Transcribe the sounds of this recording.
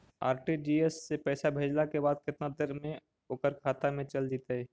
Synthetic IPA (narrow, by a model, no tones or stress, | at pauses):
a̰ːɾʈid͡ʒiːesːepɛːsabʱeːd͡ʒlakebaːd̪̚kɪt̪nad̪eɾmẽ | oːkəɾkʰaːt̪amẽt͡ʃəld͡ʒit̪aɦɛː